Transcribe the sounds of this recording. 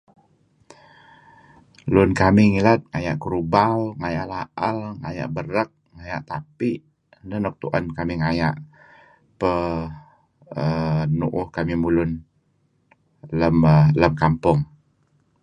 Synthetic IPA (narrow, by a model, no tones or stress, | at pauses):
lʊnkamiŋilat̪̚ŋaja̰ʔkuɾubalŋajaʔlaʔəlŋaja̰ʔbəɾək̚ŋajaʔt̪apiʔ | dənɔk̚t̪uʔankamiŋaja̰ʔ | pə | ənuʔʊhkamimulʊn | ləmələmkampʊŋ